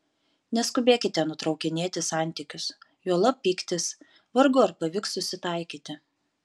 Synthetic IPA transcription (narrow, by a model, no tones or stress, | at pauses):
nʲɛskʊbʲeːkʲɪt̪ʲɛnʊt̪ɾɒʊkʲɪnʲeːt̪ʲɪsɑˑnʲt̪ʲɪkʲʊsjuɔlˠɐppʲiːkt̪ʲɪs | ʋɐɾɡʊɐɾpɐʋʲɪksʊsʲɪt̪ɑˑɪkʲiːt̪ʲɪ